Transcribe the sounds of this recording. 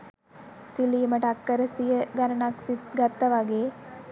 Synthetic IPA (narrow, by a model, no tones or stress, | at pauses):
siliːmɐʈakːɐɾɐsijɐɡɐɾɐɳaːksit̪ɡɐt̪ːɐʋaːɡeː